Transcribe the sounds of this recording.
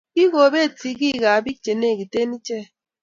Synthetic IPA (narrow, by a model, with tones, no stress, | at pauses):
ki˦ɣo˨be˦˨ti˨ki˦˨ɣa˨bi˦t͡ʃe˨ne˦˨ki˨te˦ni˦t͡ʃe˦˨